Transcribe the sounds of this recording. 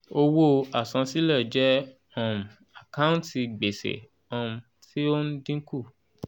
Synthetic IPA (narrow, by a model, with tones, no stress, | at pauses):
o˧wo˦a˨sã˧si˦lɛ˦˨d͡ʒɛ˦ | ɔ̃˦˨m̩˨ | a˨kã˦ũ˦nti˧ɡ͡be˨sḛ˨ | ɔ̃˦˧m̩˧ | ti˦o˦n̩˦dĩ˦ku˦˨